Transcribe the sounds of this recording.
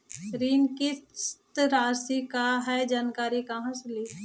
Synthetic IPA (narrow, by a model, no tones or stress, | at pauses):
ɾiːnkist̪ɾaːsikaɦɛd͡ʒaːnkaːɾikaɦɐ̃sliː